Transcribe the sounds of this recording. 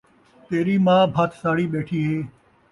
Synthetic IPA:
t̪eːɾiːmãːbʱət̪ʰsaːɽiːɓeːʈʰiːɦeː

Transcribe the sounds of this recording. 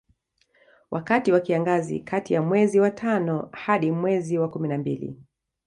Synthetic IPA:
wʔakatiwakiaŋɡazḭkʰatijamwɛziwatʰanɔhaɗimwɛziwakuminambilḭ

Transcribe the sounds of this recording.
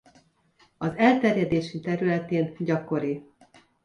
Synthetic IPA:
ɒzɛlt̪ɛrjɛd̪eːʃit̪ɛɾylɛt̪eːnɟɒko̞ɾi

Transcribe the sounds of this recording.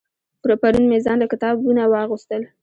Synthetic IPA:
pʊɾapaɾunmezɑnlakɪt̪ɑbunawɑɣust̪əl

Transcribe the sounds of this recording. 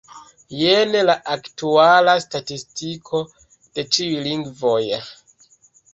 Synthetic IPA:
jenelaʔaktualastatistikʰo̞ | d̥e̞t͡ʃiujliŋɡvo̞j

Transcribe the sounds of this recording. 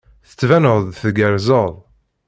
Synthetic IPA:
θə̥t͡sːvænəʁðθɡæɾzəðˤ

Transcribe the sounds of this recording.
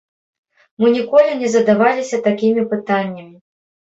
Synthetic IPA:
mɨnʲikɔlʲinʲɛzɐd̪avalʲisʲɐt̪akʲimʲipɨt̪anʲːɐmʲi

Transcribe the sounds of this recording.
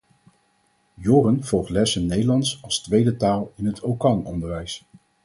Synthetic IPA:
jʊːrənv̥ɔlˠχtlɛsənnejdəlɑntsɑlˠstʋejdətaːlˠɪnɦətʰowkɑnɔ̰ndəɹʋɛjs

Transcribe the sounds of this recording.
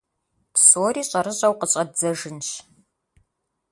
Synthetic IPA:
psoːriːɕʼɐɾɨɕʼɐwqəɕʼɐd͡zɐʒɨnɕ

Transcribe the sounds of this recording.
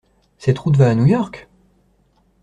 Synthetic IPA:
sɛt̪χut̪vaːnujɔʁk

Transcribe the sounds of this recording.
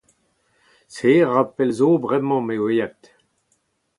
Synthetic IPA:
seʁapɛlzobʁɛmɑ̃mewejat̪

